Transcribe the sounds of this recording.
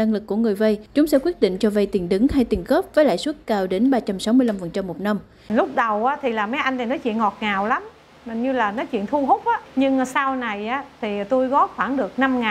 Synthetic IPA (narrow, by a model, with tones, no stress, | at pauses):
na˧ŋlɨ˨˩kːu˧˩əŋɨ˨˩əjvə˧jt͡ɕʊ˨˦ŋ͡msɛ̰˧˥kwi˦˥t̚ɗḭ̈˧˨ŋ̟t͡ɕɔ˧və˧jt̪i˨˩ənɗɨ˨˦ŋha˧jt̪i˨˩ənɣə˦˥p̚vəː˨˦jla̰ː˧˨jswə˦˥t̚kaː˧wɗe˨˦nɓaː˧t͡ɕa˧msa˨˦wmɨ˧əjla˧mfə˨˩nt͡ɕa˧mːo˨˩t̚na˧m | lʊ˦˥k͡p̚ɗə˨˩wʔaː˨˦t̪ʰi˨˩laː˨˩ma˨˦jʔa˧jŋt̪ʰi˨˩nɔ˨˦t͡ɕḭ˧˨ənŋɔ˨˩t̚ŋaː˨˩wla˨˦m˨˩ | ɲɨ˧laː˨˩nɔ˨˦t͡ɕḭ˧˨ənt̪ʰu˧ɦʊ˦˥k͡p̚ʔaː˨˦ɲɨ˧ŋsa˧wna˨˩jʔaː˨˦t̪ʰi˨˩t̪u˧jɣɔ˨˦˥xwaː˧˩nɗɨ˨˩ək̚na˧mŋaː˨˩